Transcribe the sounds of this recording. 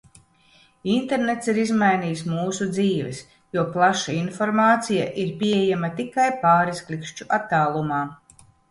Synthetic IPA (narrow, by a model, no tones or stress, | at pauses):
int̪eɾnet̪siɾizmajniːjs̬muːsud̪ziːvɛ̰s | juɔplˠaʃainfoɾmaːt̪sija̰ʔiɾpʲiejamɐt̪ikajpaːɾisklʲikʃt͡ʃuʔat̪ːaːlˠumaː